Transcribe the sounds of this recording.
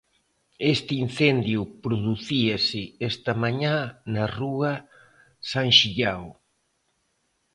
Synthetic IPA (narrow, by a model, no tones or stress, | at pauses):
est̪ɪin̟θend̪jʊpɾoðuθiɐsɪest̪ɐmaɲãnɐruɐ | sãŋʃiʎaw